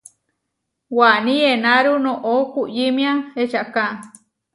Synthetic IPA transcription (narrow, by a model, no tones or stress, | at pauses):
wanĩenaɾunõʔokujimĩãet͡ʃaka